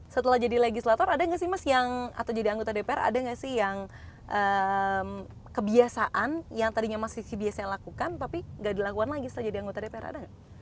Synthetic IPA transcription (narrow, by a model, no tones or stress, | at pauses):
sət̪əlahd͡ʒadileɡislat̪ɔɾadaŋɡaʔsɪhmasjaŋa̰t̪awd͡ʒadiaŋɡot̪adepeɛra̰daŋɡaʔsɪhjaŋ | ʔəm | kəbiasaʔanjaŋt̪adiɲamasɪsibiasajaŋlakukant̪apiŋɡaʔdilakukanlaɡisət̪əlahd͡ʒadiaŋɡot̪adepeɛ̰ɾa̰daŋɡaʔ